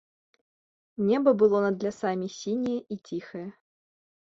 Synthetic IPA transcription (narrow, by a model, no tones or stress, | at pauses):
nʲɛbɐbɨlˠɔnɐd̪lʲasamʲisʲinʲijɛʔit͡sʲixɐjɛ